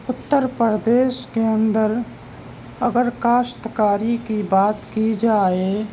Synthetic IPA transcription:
ʊt̪ːəɾpɾəd̪eːʃkeə̃nd̪əɾ | əɡəɾkaːst̪kaːɾikibaːt̪kid͡ʒaːe

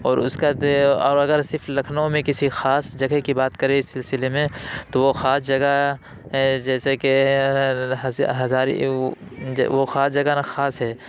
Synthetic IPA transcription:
ɔːɾʊ̰skaɔːɾɐɡəɾsɪɾflɐkʰnõmẽkɪsixaːsd͡ʒɐɡekibaːt̪kɐɾeɪsːɪlsɪlemẽt̪oʋoxaːsd͡ʒɐɡa | ɦɛd͡ʒɛːseke | ɦɐzaːɾi | ʋoxaːsd͡ʒɐɡanaxaːsɦɛː

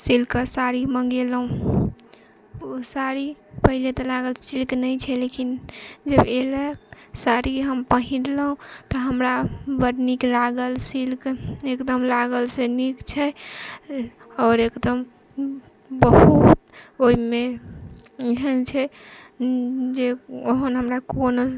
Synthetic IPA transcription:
silkəsaɾiməŋɡelɦũ | osaɾipəɦilet̪ɔlaɡəlsilknəjt͡ʃʰɛlekind͡ʒəbeləksaɾiɦəmpəɦĩɾləɦũt̪ɔɦəmɾabəɾniklaɡəlsilkekd̪əmlaɡəlsenikt͡ʃʰɛ | ɔːɾekd̪əm | bəɦut̪oime | ɦənt͡ʃʰɛ | d͡ʒeoɦənɦəmɾakono

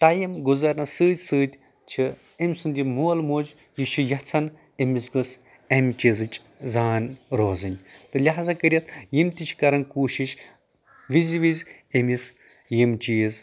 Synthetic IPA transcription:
ʈɐjimɡuzɐɾnɐsɨːt̪ʲsɨːt̪ʲ | t͡ʃʰi | emʲsund̪ʲimuːlmoːz | jiʃʰujɐt͡sʰɐn | emisɡɨs | emʲt͡ʃizɨt͡ʃʼ | zaːnɾoːzɨnʲt̪ɨlʲɐɦazɐkɨɾʲiɐt̪jimt̪ʲit͡ʃʰkɐɾɐnkuːʃiʃ | ʋizʋizʲ | emis | jimt͡ʃiːz

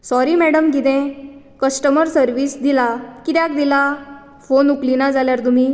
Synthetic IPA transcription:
sɔɾimæɽəmɡid̪ɛ̃ | kəsʈəməɾsəɾʋiːsd̪ilakit̪jak̚d̪ila | fonuklinad͡zaljaɾt̪um̤iː

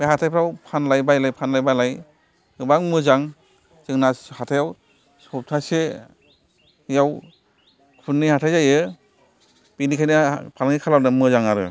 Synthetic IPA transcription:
bahatʰajpʰɾawpʰanlajbajlajpʰanlajbajlaj | ɯbaŋmɯzaŋ | zɯŋnahatʰajaw | sɔp̚tʰase | jaw | kʰunːihatʰajzajɯ | pinikʰajnɯpʰalŋikʰalawnɯmɯzaŋaɾɯ̰

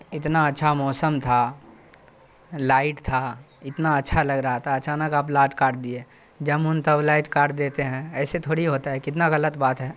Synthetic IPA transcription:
ɪt̪naɐtːʃʰamɔːsəmt̪ʰa | laːɪʈt̪ʰa | ɪt̪naɐtːʃʰalɐɡɾəɦat̪ʰaɐt͡ʃaːnəkaːp̬laːʈkaːʈd̪ie | d͡ʒəmʊnt̪əblaːɪʈkaːʈd̪eːt̪eɦɛ̃ɛːset̪ʰoːɽiɦoːt̪aɦɛkɪt̪naɣɐlət̪baːt̪ɦɛː

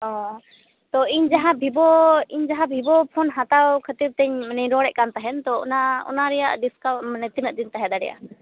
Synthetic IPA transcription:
ɔ̃ | t̪ɔiɲd͡ʒaɦãbʱibɔiɲd͡ʒaɦãbʱibɔpʰɔnɦat̪awkʰət̪iɾt̪ɛɲmnɛɾɔɽɛʔkant̪aɦɛnt̪ɔɔ̰naɔ̰naɾɛja̰ʔɖiskawnɛt̪inəd̪int̪aɦɛd̪aɖɛ̰ja̰ʔ

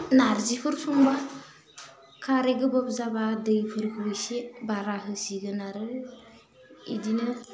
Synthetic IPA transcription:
naɾzipʰɯɾsuŋba | kʰaɾeɡɯbɔp̚zabadɯjpʰɯɾkʰuwɯsebaɾaɦɯsiɡɯnaɾɯ | ḭdinɯ

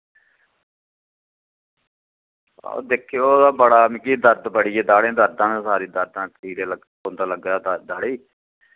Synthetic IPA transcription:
o̰d̪eːkʰːijoːd̪aːbəɽaːmĩːkid̪əɾd̪pəɽiːeːd̪aːɽẽːd̪əɾd̪ãːnãːsaːɾiːd̪əɾd̪ãːkiːd̪eːləɡ | oːnd̪aːləɡaːd̪d̪aːɽeː

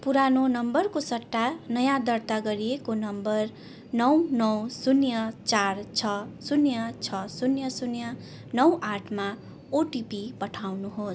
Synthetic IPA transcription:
puɾanonʌmbʌrkosʌʈːanʌjãd̪ʌrt̪aɡʌɾiekonʌmbʌr | nʌwnʌwsunjʌt͡sart͡sʰʌsunjʌt͡sʰʌsunjʌsunjʌ | nʌwʔaʈʰma | oʈipipʌʈʰawnuɦos

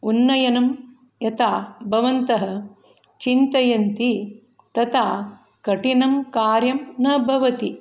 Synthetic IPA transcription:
unːɐjɐnɐm | jɐt̪aːbʱɐʋɐnt̪ɐɦɐ̆ | t͡ʃint̪ɐjɐnt̪i | t̪ɐt̪aː | kɐʈinɐmkaːɾjɐmnɐbʱɐʋɐt̪i

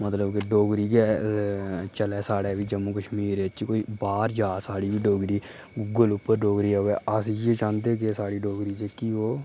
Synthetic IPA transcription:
mət̪ləbkeɖoːɡɾiːkɛː | t͡ʃəlɛːsaːɽɛːʋiːd͡ʒəmːuːkəʃmiːɾeːt͡ʃkoːiːbaːɾd͡ʒaːsaːɽiːbiːɖoːɡɾiː | ɡʊlʊpːəɾɖoːɡɾiːɛːaːsiːd͡ʒet͡ʃãːnd̪eːk̬esaːɽiːɖoːɡɾiːt͡ʃekiːoː

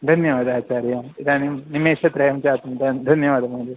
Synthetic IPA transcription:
d̪ʱɐnjɐʋaːd̪aːt͡ɕaːɾjamid̪animnimeːʂɐt̪ɾɐjɐmt͡ɕaːt̪umd̪ɐnd̪ʱɐnjɐʋaːd̪ɐmɐːdi

